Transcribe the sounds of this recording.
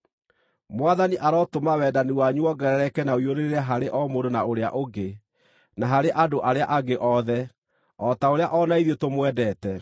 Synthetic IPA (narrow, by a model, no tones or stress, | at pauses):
mwaðaniʔaɾɔtomawɛːdaniwaɲuɔɡɛɾɛɾɛkɛnawioɾeɾeɾɛɦaɾeʔɔmoɾonaoɾea̰ʔoɡe | naɦaɾeʔadoʔaɾeaʔaɡeʔɔðɛ | ɔtaoɾeaʔɔnaiðetomwɛdɛːtɛ